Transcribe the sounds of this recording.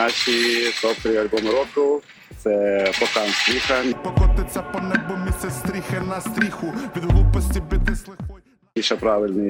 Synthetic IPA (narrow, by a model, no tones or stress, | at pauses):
at͡ʃisɔpt̪ɾɪjɐlʲbɔmɾɔkʊw | t̪sɛpɔkanst̪ɾʲixɐpɔkɔt̪ɪt̪sʲɐpɔnɛbɔmʲisʲɛst̪ɾʲixɪnɐst̪ɾʲixʊʋʲid̪ɦlˠupɔsʲtʲibɪd̪ɪslˠɪxɔj | iʃɛpɾaʋɪlʲnɪ